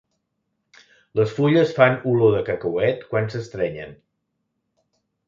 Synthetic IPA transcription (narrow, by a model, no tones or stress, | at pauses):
ləsfuʎəsfanuloðəkəkəwɛt̪kwansəst̪ɾɛɲə̰n